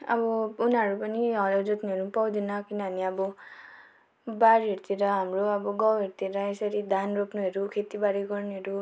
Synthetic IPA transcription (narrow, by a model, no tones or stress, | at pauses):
ʌ̰bʌunɦʌɾupʌniɦʌld͡zot̪niɦʌɾupʌwd̪inʌkinʌʌniʌbʌ | baɾɦeɾt̪ieɾʌɦamroʌbʌɡʌwɦeɾt̪ieɾʌesʌɾid̪ʱanroknuɦʌɾukʰet̪ibaɾiɡʌrneɦʌɾu